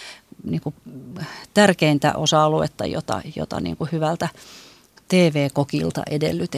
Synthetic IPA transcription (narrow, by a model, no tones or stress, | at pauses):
niːŋku | t̪ærkeint̪æ̰ʔosɑluḛt̪ːɑjo̰t̪ɑ̰jo̰t̪ɑ̰nḭːŋkuhyʋælt̪æ | t̪eːʋeːkokilt̪ɑ̰ʔedḛlːyt̪